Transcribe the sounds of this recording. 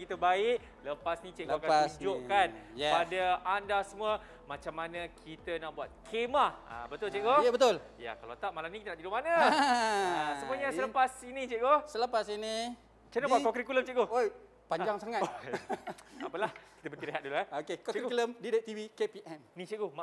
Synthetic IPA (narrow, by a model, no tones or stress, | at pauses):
kit̪əbaɪʔ | ləpasnĩt͡ʃeʔakad͡ʒoʔkanjpadaandasəmuə | mat͡ʃamːanə̃kʰit̪ənaʔbuat̪̚kʰemaa̰bət̪ʊlt͡ʃeʔɡobət̪ʊl | ja̰kalat̪aʔ̚malamnĩkit̪ənaʔd̪idumanə | asəmmuəɲəsələpasinĩt͡ʃeʔɡosələpasini | t͡ʃenabbuatkɔkɾikuləmt͡ʃeʔɡooj | paɲd͡ʒaŋsaŋat | a̰pəlahki̥t̪əbət̪ileɦat̪̚duluaokekɔkkləmdidet̪ivikepiʔɛmnĩt͡ʃeʔɡoma